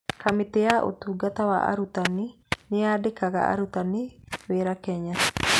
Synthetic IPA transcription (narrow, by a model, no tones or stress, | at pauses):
kʰamɪt̪eaʔo̰t̪uɡat̪awa̰ʔa̰ɾut̪anɪ | nɪadekaka̰a̰ɾut̪anɪweːɾakɛɲa